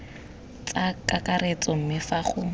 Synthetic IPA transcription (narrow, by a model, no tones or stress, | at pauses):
t͡sakakaret͡sɔm̩mɪfaχʊ